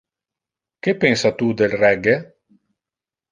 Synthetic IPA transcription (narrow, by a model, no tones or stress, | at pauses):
kepːensat̪ud̪elrɛɡe